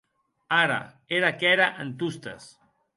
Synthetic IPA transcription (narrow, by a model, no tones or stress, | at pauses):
aɾa̰ | eɾakɛɾaʔənt̪ust̪ɐ̰s